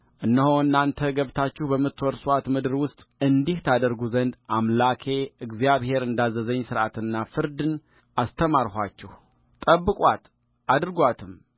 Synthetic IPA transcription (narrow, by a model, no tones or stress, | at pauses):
ʔɨnːəhoɨnːant̪ʰəɡəβt̪ʰat͡ʃːɪhbəmːɨt̪ʰːɔɾsat̪mɨd̪ɨɾwʊst̪ʼɨnd̪iht̪ʰad̪əɾɡuzənd̪ʔamlakʰe̞ɨɡzjaβhe̞ɾɨnd̪azːəzəɲːsɨɾʔat̪ɨnːafɨɾd̪ɨn | ʔast̪ʰəmaɾhat͡ʃːɛh | t̪ʼəbːɨkʼwʷat̪ | ʔad̪ɾɨɡʷat̪ʰɨm